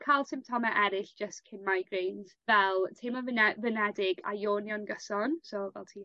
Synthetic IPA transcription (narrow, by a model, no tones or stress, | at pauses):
kʰalˠsɪ̃mp̚tʰɔmaʔɛɾɪɬd̥ʒ̥əstkʰɪnmajɡrejnz̥vɛlˠtʰemɔvɪnɛvɪnɛdɪɡa̰joːnjɔnɡəsɔnsovɛ̰lˠtʰiː